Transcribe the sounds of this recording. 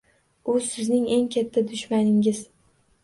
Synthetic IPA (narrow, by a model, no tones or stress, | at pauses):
ʊsɪznɪŋe̞ŋkʲʰat̪ʰːad̪ʊʃmanɪŋɪz̥